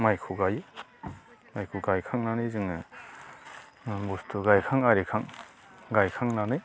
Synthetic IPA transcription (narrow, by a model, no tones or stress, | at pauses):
majkʰuɡaje | majkʰuɡajkʰaŋnanɯjzɯŋɯ | bustʰuɡajkʰaŋaɾikʰaŋ | ɡajkʰaŋnanɯj